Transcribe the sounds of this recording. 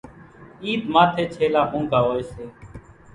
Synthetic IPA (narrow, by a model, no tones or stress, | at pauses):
iːd̪maːt̪ʰeːt͡ʃʰeːlaːɦũːɡʱaːɦoːeːseː